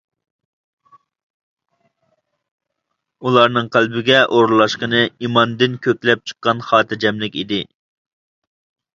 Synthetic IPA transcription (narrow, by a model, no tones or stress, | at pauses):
ulˠɑɾnɨŋqʰælbɪɡʲɛʔoɾlˠɑʃqənɨimɑnd̪ɪnkʲʰøkʲlɛp̚t͡ʃʰə̥qːɑnχɑːt̪ʰɨɾd͡ʒɛmlɪkʲid̪ɪ